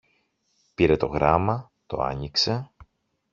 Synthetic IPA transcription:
piɾe̞t̪o̞ɣɾɐmɐ | t̪o̞̰ɐ̰ɲikse̞

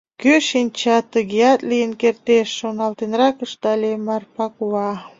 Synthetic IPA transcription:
køʃinʲt͡ɕɑt̪əɣiɑt̪lijənkert̪eʃːonɑlt̪enrɑkəʃt̪ɑlʲemɑrpɑkuwɑ

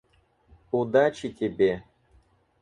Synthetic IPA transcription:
ud̪at͡ʃit̪ʲʰebe

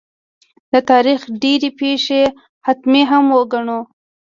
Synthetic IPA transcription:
d̪ət̪ɑɾixɖeɾepeʃe | hat̪meɦamwəɡaɳo

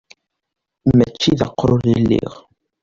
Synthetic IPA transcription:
mːæt͡ʃːiðɑqːɾʊðilːḭʁ

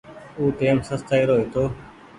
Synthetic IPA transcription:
uːʈeːmsəst̪aːiːɾoːɦiːt̪oː

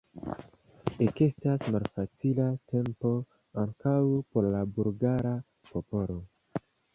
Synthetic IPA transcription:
eke̞stasmalfat͡silatʰe̞mpo̞ | aŋkawpo̞ɾlabulɡaɾa | po̞po̞lo̞

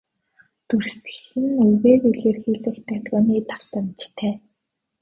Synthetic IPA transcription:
t̪ursɘ̆xɘ̆nɵɣeːtuɮeːrxiːɮɘ̆kt̪ʰæɮʁʊːniːt̪ʰar̥t̪ə̆mt͡ɕt̪ʰæː

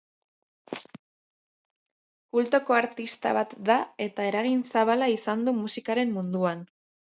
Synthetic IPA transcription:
kult̪o̞ko̞aɾt̪ist̪a̰βat̪d̪ae̞t̪ae̞ɾaɣinsaβalaisand̪umusikaɾe̞mːund̪uan

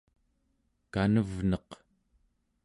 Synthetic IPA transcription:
kanəvnʌq

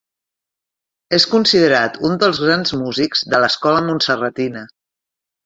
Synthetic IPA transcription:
eskunsiðəɾat̪und̪əlˠzɣɾanzmuzikz̥ðələskɔləmunsərət̪inə

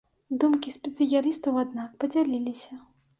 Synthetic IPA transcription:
d̪umkʲisʲpʲɛt̪sɨjaɾist̪ɐwad̪nakpɐd͡zʲalʲilʲisʲɐ

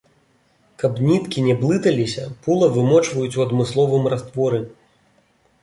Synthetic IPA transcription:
kɐpnʲit̪kʲinʲɛblˠɨt̪ɐlʲisʲɐpulˠɐvɨmɔt͡ʂvɐjut͡sʲuɐd̪mɨslˠɔvɨmrast̪vɔɾɨ

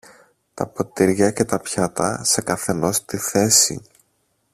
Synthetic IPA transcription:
t̪ɐpo̞t̪iɾʝɐce̞t̪ɐpçɐt̪ɐ̰se̞kɐθe̞no̞st̪iθe̞sḭ

